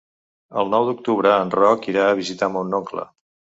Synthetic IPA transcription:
ə̰lˠnɔwd̪uk̚t̪uβɾəːnrɔkiɾaəβizit̪amunːoŋklə̰

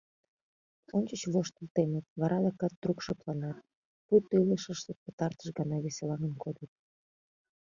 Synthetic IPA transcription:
onʲt͡ɕət͡ɕβoʃt̪əlt̪emət̪βɑɾɑlɑkɑt̪̚ːrukʃeplɑnɑt̪̚ | put̪ːyləʃəʃt̪ət̪̚pə̥t̪ɑrt̪əʃɡɑnɑβeselɑŋənkod̪ət̪̚

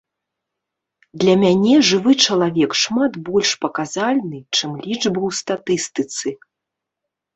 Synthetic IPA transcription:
d̪lʲɐmʲanʲɛʐɨvɨt͡ʂɐlˠavʲɛkʂmat̪bɔlʲʂpɐkazalʲnɨt͡ʂɨmlʲid͡ʐbɨwst̪at̪ɨst̪ɨt̪sɨ

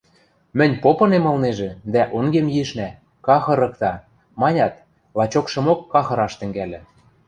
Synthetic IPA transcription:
mɘ̆nʲpopɤ̆nemɤ̆lˠneʒĕd̪æʔoŋɡemjiʃnæ | kɑxɤ̆ɾɤ̆kt̪ɑ | mɑnʲɑt̪ | lɑt͡ɕokʃɤ̆mokːɑxɤ̆ɾɑʃt̪ɘ̆ŋɡælʲɘ̆

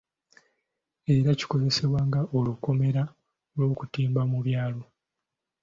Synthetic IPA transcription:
e̞ɾaci̥ko̞ze̞se̞βwaːŋɡaʔoluko̞me̞ɾa | lwo̞ːkutiːmbamuβjaːlo̞

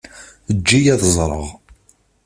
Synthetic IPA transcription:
əd͡ʒːijæðəzˤɾˤə̰ʁ

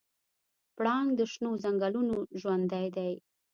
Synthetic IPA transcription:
pɽɑŋɡd̪əʃnozaŋɡalunoʒwand̪ajd̪aj

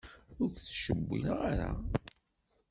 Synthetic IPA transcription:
ʊɾkθʃəbːḭnʁaɾa̰

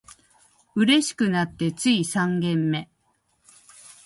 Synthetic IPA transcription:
ɯ̟ɾe̞ɕi̥kɯ̟nat̪ːe̞t͡sɨisãŋɡẽ̞mːe̞

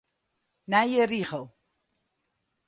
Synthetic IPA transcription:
najəɾiχəlˠ

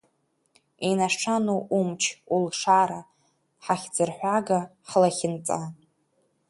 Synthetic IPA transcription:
inaʈ͡ʂʰanuʔumt͡ʃʰulʂaɾa | ħaχʲd͡zɨrħʷaɡa | ħlaχʲɪnt͡sʼa

